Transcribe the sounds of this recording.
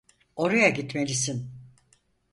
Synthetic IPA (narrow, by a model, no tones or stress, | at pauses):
o̞ɾajaɟit̪me̞lʲisin